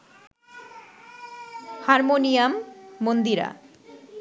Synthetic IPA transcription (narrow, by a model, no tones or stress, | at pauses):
haɾmonijamːond̪iɾa̰